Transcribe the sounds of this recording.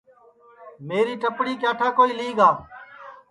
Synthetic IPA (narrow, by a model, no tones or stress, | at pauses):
meːɾiːʈəpɽiːkjaːʈʰaːkoːiːliːɡaː